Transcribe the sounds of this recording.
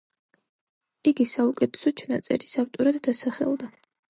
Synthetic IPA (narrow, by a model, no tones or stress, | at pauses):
iɡisaukʼɛt̪ʰɛ̥sɔt͡ʃʰnat̪sʼɛ̰ɾisavt̪ʼɔɾad̪ːasaχɛ̰lˠd̪a